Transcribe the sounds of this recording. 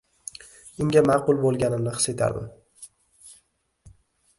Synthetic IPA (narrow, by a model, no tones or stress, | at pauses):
ʊŋɡʲamɑqʊlˠbolˠɡʲanɪmnɪχɨ̥se̞t̪ʰa̰ɾmɪ̰